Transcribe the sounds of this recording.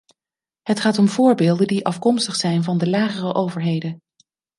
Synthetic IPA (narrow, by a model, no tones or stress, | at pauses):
ɦətχaːtɔmvʊːɹbeːlˠdəndiʔɑfkɔmstəχsɛjnvɑndəlaːχərəʔowvəɹɦejdən